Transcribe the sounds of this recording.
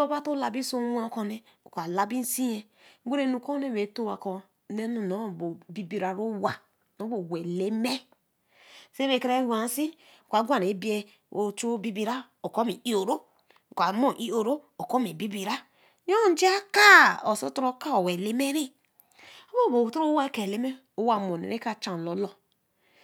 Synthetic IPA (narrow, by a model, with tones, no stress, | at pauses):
o˦ba˦to˦la˨bi˦so˦wa˦˨ko˦ne˨ | kʷa˨la˦bi˦n̩˦si˦je˦ | ɡe˦ɾe˦˨nu˨ko˦ne˦we˨˦to˦˨wa˨kɔ˨ | ne˦nu˨no˨˦˨bo˨bi˦bi˨ɾa˨ɾo˦wa˨ | no˨˦bo˨we˨le˦me˦ | se˦βe˨ke˦ɾe˦ha˨n˦si˦˨ | kʷa˨˦ɡʷa˦˨ɾe˨˦bi˦e˦ | o˨t͡ʃu˦o˦bi˦bi˦ɾa˦ | o˨ko˦mi˨i˦o˨ɾo˦˨ | kʷa˨mo˨ʔi˦o˨ɾo˦ | o˨ko˦me˨bi˦bi˨ɾa˦ | n˦o˦d͡ʒi˦a˦ka˦o˨so˦to˦ɾo˦ka˦o˨we˨le˦me˦ɾi˦ | o˦bo˦˨bo˨tu˦o˦wa˦ke˨le˦me˦ | o˦wa˨mo˨nḛ˨ɾe˦ka˦˨t͡ʃa˨lɔ˨˦lɔ˨